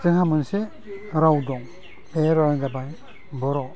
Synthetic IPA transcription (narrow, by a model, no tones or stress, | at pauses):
tɯŋhamɯnse | ɾawdɔŋ | eɾadabaj | bɔɾɔ